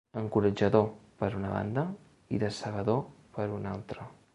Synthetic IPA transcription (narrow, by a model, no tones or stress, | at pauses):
əŋkuɾəd͡ʒəðopəɾunəβa̰nd̪ə | ḭðəsəβ̞əðo | pəɾuna̰lˠt̪ɾə